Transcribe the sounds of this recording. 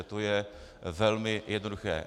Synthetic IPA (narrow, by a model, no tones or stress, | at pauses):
ɛt̪ojɛvɛlmɪjʔɛd̪noduxɛ̰ː